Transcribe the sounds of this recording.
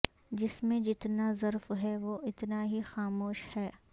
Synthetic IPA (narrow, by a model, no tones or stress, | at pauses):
d͡ʒɪsmẽd͡ʒɪt̪nazɐɾfɦɛʋoʔɪt̪naɦixaːmoːʃhɛː